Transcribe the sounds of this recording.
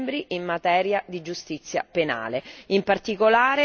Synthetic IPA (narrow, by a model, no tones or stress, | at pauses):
mbɾiimːat̪ɛːɾjad̪id͡ʒust̪it̪sːja̰pena̰ːleimpart̪ikolaːɾe